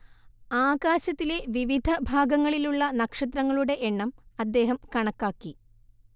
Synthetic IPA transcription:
aːɡaːɕɐt̪ːile̞ʋiʋid̪ʱɐbʱaːɡɐŋːɐɭiluɭːɐnɐkʂɐt̪̬ɾrɐŋːɐɭuɽe̞ʔeɳːɐmɐd̪ːe̞ːɦɐmkɐɳɐkːaːkːi

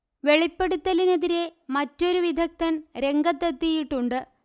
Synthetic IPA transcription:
ʋe̞ɭipːe̞ɽut̪ːɐline̞ðiɾe̞mɐtːo̞ɾuʋid̪ʱɐk̚t̪ɐnɾe̞ŋɡɐt̪ːɐt̪ːijiʈːuɳɖɨ

